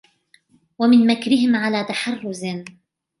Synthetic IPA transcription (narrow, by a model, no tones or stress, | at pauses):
wamɪnmakɾɪɦɪmʕalaːt̪aħɑrˤːʊz